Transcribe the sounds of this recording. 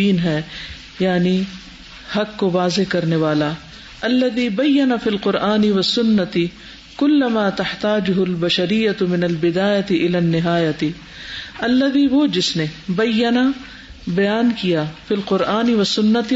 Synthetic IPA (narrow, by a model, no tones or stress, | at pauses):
iːnɦɛː | jaːni | hɐkːoʋaːzekɐɾneʋaːla | ɐlːɐðiːbɐjːɐnɐfiːlqʊɾʔaːnɪʋɐsːʊnːɐt̪ɪ | kʊlːɐmaːt̪ɐht̪aːd͡ʒʊɦʊlbɐʃɐɾɪjːɐt̪ʊmɪnɐlbɪd̪aːjɐt̪ɪʔɪlaːnːɪɦaːjɐt̪ɪ | ɐlːɐd̪iʋod͡ʒɪsnebɐjːɐna | bɐjaːnkijafilqʊɾʔaːnɪʋɐsʊnːɐt̪